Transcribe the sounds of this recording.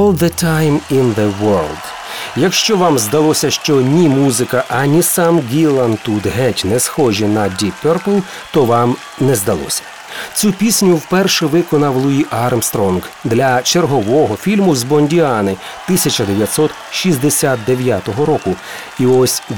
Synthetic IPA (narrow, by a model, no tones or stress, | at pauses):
ɔlˠðətʰajmɪ̃nðəwɜɹlˠd̪ | jɐkʃt͡ʃɔʋɑmzd̪ɐlˠɔsʲɐʃt͡ʃɔnʲimuzɪkɐʔɐnʲisɑmɡʲilˠɐnt̪ud̪ɦɛtʲnɛsxɔʒinɐdʲipɛrplˠ | t̪ɔʋɑm | nɛzd̪ɐlˠɔ̰sʲɐ̥ | t͡sʲupʲisʲnʲʊwpɛrʃɛʋɪkɔnɐwlˠʊjiʔɑrmst̪ɾɔnɡd̪lʲɐt͡ʃerɦɔʋɔɦɔfʲilʲmʊzbɔnʲdʲiɑnɪ | t̪ɪsʲɐt͡ʃɐd̪eʋʲjɐt̪sɔt̪ | ʃizʲd̪esʲat̪̚d̪eʋʲjat̪ɔɦɔɾɔkʊ | iɔsʲ